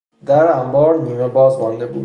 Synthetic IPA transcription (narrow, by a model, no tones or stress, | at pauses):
d̪æɾæmbɒːɾniːmebɒːzmɒnd̪e̞bṵː